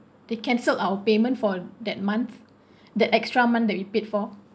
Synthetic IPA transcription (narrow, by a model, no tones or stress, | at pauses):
d̥ekɛ̃nsəlawəpemə̃ntfɔdɛt̚mãnθ | dɛtɛkstɹamãndɛt̚wipetfɔ